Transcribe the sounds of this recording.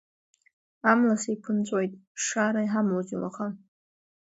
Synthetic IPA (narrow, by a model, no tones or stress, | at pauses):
amlasaipʰɨnt͡sʷʼojtʼʂaɾajħamlod͡ʒila̰χa